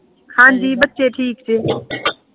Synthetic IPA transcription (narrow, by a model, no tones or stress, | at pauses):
xaːnd͡ʒiːbət̪ːt͡ʃeːʈʰiːkt͡ʃʰeː